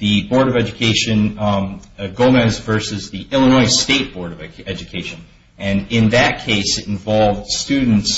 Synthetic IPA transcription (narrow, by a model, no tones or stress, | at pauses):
ðɨbɔɹɾʌvɛd͡ʒɨkʰeɪʃɨ̃n | ɡoʊmɨzvɜ˞sɨzðiʔɪlˠənɔɪsteɪt̚b̥ɔɹɾʌvɛd͡ʒɨkʰeɪʃɨ̃n | ɨ̃nɪ̃nðɨt̚kʰeɪsɨɾ̃nɱ̩vɑlˠvd̥stʉdⁿn̩ts